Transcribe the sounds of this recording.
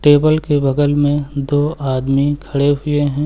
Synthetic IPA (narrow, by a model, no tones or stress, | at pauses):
ʈeːbəlkebɐɡəlmẽd̪oːaːd̪mikʰɐɽeɦʊeɦɛ̃ː